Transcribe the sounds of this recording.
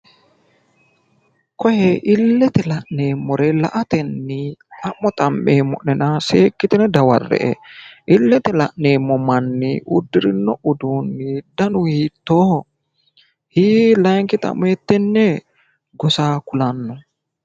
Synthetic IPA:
kɔjɛʔɪlːɛt̪ɛlɐʔneːmːɔɾɛlɐ̰ʔɐt̪ɛnːiɐmːɔt̪ʼɐmːeːmːɔ̰ʔnɛnaseːkːɪt̪ɛnɛd̪ɐwɐrːɛ̰ʔɛʔɪlːɛt̪ɛlɐʔneːmːɔmɐnːɪʔʊ̰d̪ːɪɾɪnːɔʔʊd̪uːnːɪd̪ɐnʊhiːt̪ːoː | hiːlɐjŋkɪt̪ɐ̰mːɔɛt̪ːɛnːɛ | ɡɔsaːkʊlɐnːɔ

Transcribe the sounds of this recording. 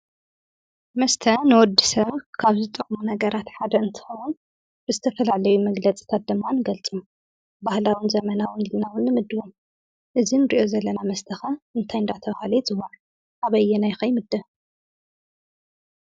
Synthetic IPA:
mɐst̪ʰɐnɨwɔd̪ːisɐβkʰaβzɨt̪ʼːɨχʼmunɐɡɐɾat̪ħad̪ɐɨnt̪ʰɨ̥xɐwun | b̥ɨzɨt̪ʰɐfɐlalɐjumɐɡlɐt͡sʼi̥t̪ʰat̪̚d̪ɨmːanɨɡɐlt͡sʼum | bahlawinzɐmɐnawʊnilnawʊnːɨmɨd̪ːɨwom | ʔɨzinɨɾiʔo̞zɐlːɐnamɐst̪ʰɐxɐʔɨnt̪ʰajɨnd̪at̪ʰɐβahalɐjzɨwaʕ | ʔaβɐjːɛnajxɐjmɨd̪ːɐ

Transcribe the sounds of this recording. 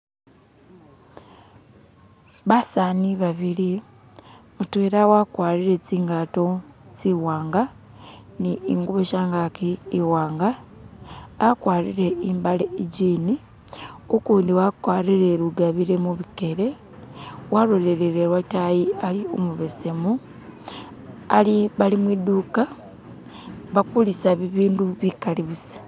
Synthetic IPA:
βasaːniβaβili | mutweɾawakwaːɾiɾe̞t͡siːŋɡato̞t͡siwaːŋɡa | niiŋɡuβoʃaːŋɡakiːwaːŋɡaː | kwaːlḭɾe̞imbaleiɟiːni | okuːndiwakwaːɾiɾe̞ɾuɡaβiɾe̞muβike̞ɾe̞ | waɾoleɾeɾeɾwatajialio̰muβese̞mu | liβalimwiduːka | βakulisaβiβiːnduβikaliβusiḁ

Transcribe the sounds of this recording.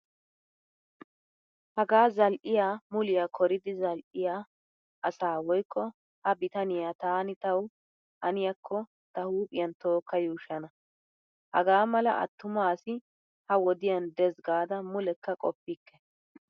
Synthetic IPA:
hɐɡaːzɐlʔɪjaːmʊlɪjakʰɔɾɪd̪ɪzɐlʔɪjaː | ʔɐsaːwɔjkʰːɔ | hɐbɪt̪ɐnɪjaːt̪aːnɪt̪ɐw | ʔɐnɪjɐkʰːɔ | t̪ɐhuːpʼɪjɐnt̪o̞ːkːɐjuːʃɐnɐ | hɐ̰ɡaːmɐlɐ̰ʔɐ̰t̪ːʊmaːsɪ | hɐwɔd̪ɪjɐnd̪ɛzɡaːd̪ɐmʊlɛkːɐkʼɔpːɪkːɛ̥

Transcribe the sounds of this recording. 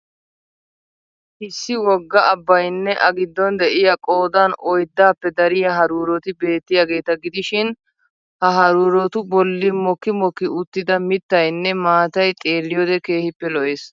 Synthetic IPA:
hɪsːɪwɔɡːɐʔɐbːɐjnːɛʔɐɡɪd̪ːɔnd̪ɛʔɪjɐkʼo̞ːd̪anɔjd̪ːaːpːɛd̪ɐɾɪjɐɦɐɾuːɾɔt̪ɪbe̞ːt̪ːɪjaːɡe̞ːt̪ɐɡɪd̪ɪʃɪn | hɐɦɐɾuːɾɔt̪ʊbɔlːɪmɔkːɪmɔkːɪʊt̪ːɪd̪ɐmɪt̪ːɐjnːɛmaːt̪ɐjt̪ʼe̞ːlːɪjoːd̪ɛke̞ːhɪpːɛlɔʔeːs

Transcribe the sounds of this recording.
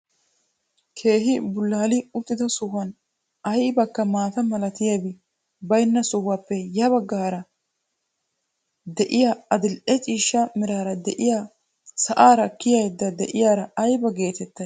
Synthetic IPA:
kʰe̞ːɦɪbʊlːaːlɪʊt̪ːɪd̪ɐsʊhɐn | ɐjbɐkːɐmaːt̪ɐmɐlɐt̪ɪjabɪ | bɐjnːɐsʊhaːpːɛjɐβɐɡːaːɾɐ | d̪ɛʔɪjaɐd̪ɪlʔɛt͡ʃʼiːʃːɐmɪɾaːɾɐd̪ɛʔɪjaː | sɐʔaːɾɐkːɪjɐjd̪ːɐd̪ɛʔɪjaːɾɐɐjbɐɡe̞ːt̪ɛt̪ːɐ

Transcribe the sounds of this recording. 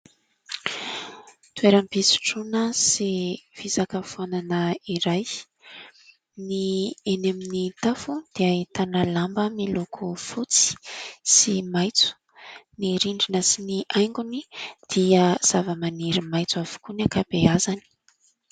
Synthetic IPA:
t̪ueɾampisi̥ʈ͡ʂunəsiv̥izakəfonanəiɾaj | nieneminit̪afud̪̥eait̪anəlambəmilokʰufut͡si̥simajt͡su̥ | niɾiɳɖ͡ʐinəsiniʔajŋɡunid̪̥iəz̥avəmaniɾimajt͡suav̥u̥kuniakabeazani̥

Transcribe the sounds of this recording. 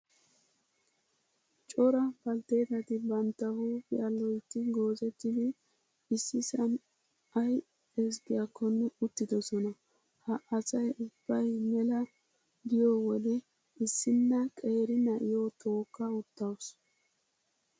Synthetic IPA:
t͡ʃʼɔɾɐbɐlt̪e̞ːt̪ɐt̪ɪbɐnt̪ːɐhuːpɪɐlːɔjt̪ːɪɡo̞ːzɛt̪ːɪd̪ɪ | ɪsːɪsɐn | ɐj | ɛs̬ɡɪjakːɔnːɛʊt̪ːɪd̪ɔsɔnɐ | hɐʔɐsɐjʊb̥ːɐjmɛlɐ | d̪ɪjɔwɔd̪ɛ | ɪsːɪnːɐkʼe̞ːɾɪnɐʔɪjot̪ʰo̞ːkːɐʊt̪ːɐws

